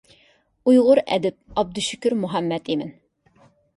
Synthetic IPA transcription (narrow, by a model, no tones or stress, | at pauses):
ujʁʊɾɛ̰d̪ɪp̚ɑb̚d̪uʃykʲɪɾmʊɦæmːɛt̪imɪn